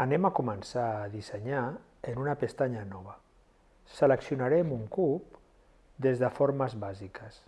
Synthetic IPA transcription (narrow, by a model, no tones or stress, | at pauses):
anemakumənsaːðiseɲa | enunapest̪aɲanɔβ̞ə | sələksiunaɾɛmuŋkup̚ | d̪ezðəfoɾməzβazikəs